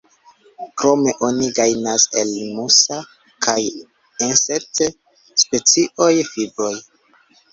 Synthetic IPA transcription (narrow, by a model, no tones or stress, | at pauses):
kɾo̞me̞ʔo̞niɡajnase̞̰lmusa | kʰaj | enset | spe̞t͡siʔo̞jfibɾo̞j